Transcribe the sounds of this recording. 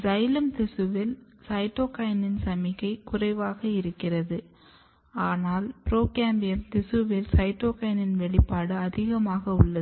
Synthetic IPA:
d͡ʒɐjlɐmt̪ɪsɯʋɪl | sɐɪʈːoːkɐjɐnɪnsɐmɪɣɐɪkʊrɐɪʋaːɣɐɪɾɯkːɪrɐðɯ | aːnaːlpɪɾoːkaːmbɪjɐmt̪ɪsɯʋɪlsɐɪʈːoːkɐjɐnɪnʋɛɭɪpːaːɽɯɐðɪɣɐmaːɣɐʊɭːɐ

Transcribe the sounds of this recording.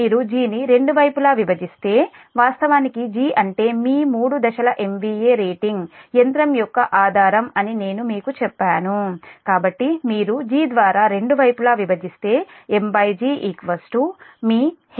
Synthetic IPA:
iːɾud͡ʒiːniɾe̞ɳɖuʋɐjpulaːʋibɐd͡ʒist̪e̞ː | ʋaːst̪ɐʋaːnikid͡ʒiːʔɐɳʈe̞ːmiːmuːɽud̪ɐʃɐlɐʔe̞mʋiːeːɾeːʈiŋɡjent̪ɾɐmjɔkːɐʔaːd̪ʱaːɾɐmɐnine̞ːnumiːkut͡ʃɛpːaːnukaːbɐʈːimiːɾud͡ʒiːd̪ʋaːɾaːɾe̞ɳɖuʋɐjpulaːʋibɐd͡ʒ̪ist̪e̞ːembɐjd͡ʒiːʔiːkʋɐsʈumiː

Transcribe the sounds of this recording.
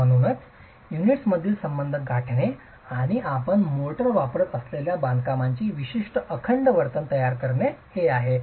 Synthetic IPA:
əɽ̃unət͡s | juniʈsməd̪ʱiːlsəmbənd̪ʱəɡʱaʈʰɳe | aɽ̃iʔapəɳmoʈəɾʋapɾət̪əsleljabãnɡ̪kamaɲt͡ɕiːʋiɕiʂʈəʔəkʰəɳɖəʋəɾt̪ənt̪əjaɾkəɾɳeheaɦe

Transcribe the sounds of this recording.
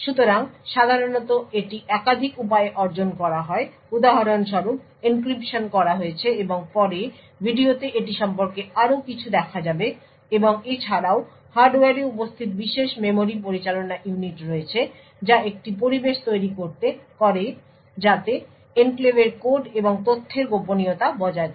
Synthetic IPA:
ʃut̪oɾaŋʃad̪ʱaɾonɔt̪oeʈiʔɛkad̪ʱikupaeeʔɔɾd͡ʑonkɔɾaɦɔe | ud̪aɦaɾonʃɔɾup̚ | ink̬ɾipʃonkɔɾaɦoet͡ɕʰeeboŋpɔɾe | bʱiɖiot̪eʔeʈiʃɔmpoɾkeaɾokit͡ɕʰud̪ɛkʰad͡ʑabe | eboŋet͡ɕʰaɾao | haɾɖoaɾiupost̪ʰit̪biʃeʃmemoɾipoɾit͡ɕalonaʔjuniʈɾoet͡ɕʰe | d͡ʑaek̚ʈip̬oɾibeʃt̪ojɾikoɾt̪ekɔɾe | d͡ʑat̪e | enklebeɾkoɾɖeboŋt̪ot̪ʰːeɾɡoponijot̪abɔd͡ʑaed̪

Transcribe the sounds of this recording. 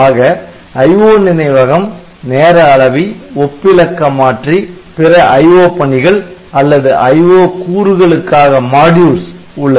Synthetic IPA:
aːɣɐ | ɐjʋoːnɪnɐɪʋɐɣɐm | neːɾɐːɭɐʋiɔpːɪlɐkːɐmaːʈripɪɾɐʔɐjʋoːpɐɳɪɣɐɭɐlːɐðɯʔɐɪʋoːkuːɾɯɣɐɭɯkːaːɣɐmaːɽjuːɾs | ʊɭːɐ

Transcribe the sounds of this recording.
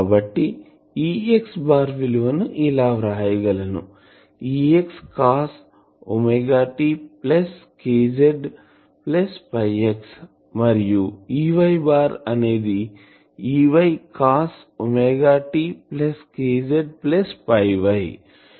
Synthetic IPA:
kabɐʈːi | iːeksbaːɾʋiluʋɐnuʔilaːʋɾaːjɐɡɐlɐnṵ | iːekskaːs | omeɡaːʈipleskeːd͡ʒeɖ | plespɐjeks | mɐɾijuiːʋɐjbaːɾɐne̞ːd̪i | iːʋɐjkaːs | omeːɡaːʈipleskeːd͡ʒeɖ̚plespɐjʋɐj

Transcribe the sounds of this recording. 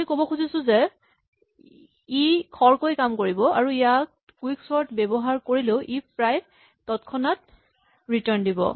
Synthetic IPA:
ikobɔkʰuzisʊ̃zɛ | ikʰɔɹkojkamkoɹibɔa̰ɹuijat | kwiksɔɹtbɛbɔɦaɹkoɹileʊʔipɹaj | tɔtkʰɔnat | ɹitɔɹndibɔ̰

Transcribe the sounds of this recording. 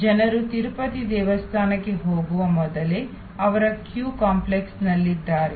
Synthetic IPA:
d͡ʒɐnɐɾut̪iɾpɐt̪id̪ɛːʋɐst̪ʰaːnɐkːe̞ɦoːɡuʋɐmɔd̪ɐle | ɐʋɐɾɐkjuːkaːmpleksnɐlːid̪ːaːɾe

